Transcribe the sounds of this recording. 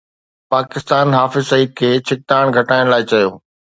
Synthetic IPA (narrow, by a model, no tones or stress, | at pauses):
paːkɪst̪aːnɦaːfɪzsɐiːd̪̚kʰeːt͡ɕʰɪk̚t̪aːɽ̃ɡʱɐʈaːɪɽ̃laːɪt͡ɕɐjoː